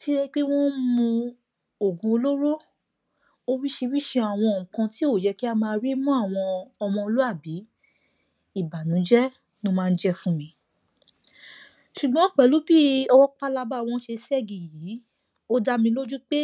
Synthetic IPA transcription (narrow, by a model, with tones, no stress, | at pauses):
ti˦ɛ˦k͡pe˦w̃ɔ̃˦mũ˧ | o˨ɡũ˧o˧lo˦ɾo˦ | o˧wi˦ʃe˧wi˦ʃe˧a˨w̃ɔ̃˧˨ŋ̩̃˨kã˧ti˦o˦˨d͡ʒɛ˨˧ki˦a˧mãː˧ɾi˦mɔ̃˦a˦˨w̃ɔ̃˧ɔ˧mɔ̃˧o˧lu˦a˦˨bi˨˦ | i˦˨ba˨nũ˨˦d͡ʒɛ˦ | nũ˧mãː˧n̩˦d͡ʒɛ˧fũ˧nĩ˨˦ | ʃu˨ɡ͡bɔ̃˨˦k͡pɛ˨lu˨˦bi˦ɔ˧wɔ˦k͡pa˦la˧ba˦˨w̃ɔ̃˧˦ʃe˧sɛ˦˨ɡĩ˨jiː˨˦ | o˦da˧mĩ˧lo˦d͡ʒu˦k͡pe˦